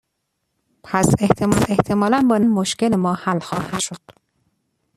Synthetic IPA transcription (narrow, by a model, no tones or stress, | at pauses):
pʰæse̞ht̪ʰemɒːse̞ht̪ʰe̞mɒːlænbɒːnnmoʃcelemɒːhælxɒːhæ̥ʃod̪̥